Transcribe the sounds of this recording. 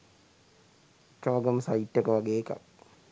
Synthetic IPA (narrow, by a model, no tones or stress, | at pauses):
ʈːəʋaɡəməsaiʈːəkəʋaɡeːka̰k̚